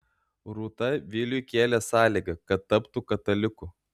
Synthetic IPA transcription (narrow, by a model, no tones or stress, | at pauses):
ɾuːt̪ɐʋʲɪːlʲʊkʲeːlʲɛsɑːlʲiɡɐkɐt̪ːɐpt̪ukɐt̪ɐlʲɪkʊ